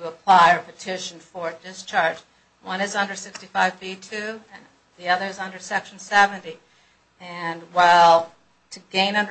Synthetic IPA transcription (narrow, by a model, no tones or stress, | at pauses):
tʰəəpʰl̥aɪɨpʰɨtʰɪʃn̩fə˞dɪst͡ʃʰɑɹd͡ʒ | wʌ̃nɨzʌ̃ndə˞sɪkstifaɪvbitʰʉɨ̃n | ðiʌðə˞ɨzʌ̃ndə˞sɛkʃn̩sɛvɨ̃nti | ɨ̃nwaɪlˠ | tʰɨɡẽɪ̃nʌ̃ndə